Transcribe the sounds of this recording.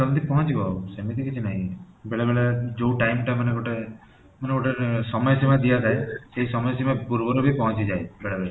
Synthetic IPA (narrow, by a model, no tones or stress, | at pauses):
sɔnt̪ipɔɦɔt͡ʃiɡɔsemet̪ʰikit͡ʃʰinaɦĩ | beɭebeɭed͡ʒoʈajmʈamɐneɡoʈe | maneɡoʈesɔmɔjsimad̪ijat̪ʰaeseɦisɔmɔjsimapuɾbɔɾubʱipɔɦɔ̃t͡ʃid͡ʒaebeɭebeɭ